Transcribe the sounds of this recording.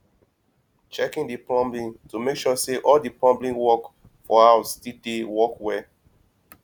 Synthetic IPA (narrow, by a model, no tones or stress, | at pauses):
t͡ʃɛkĩndiplɔ̃mblĩntumekʃɔseʔɔldiplɔ̃mblĩnwɔk | fɔhaʊsdidewɔkwɛ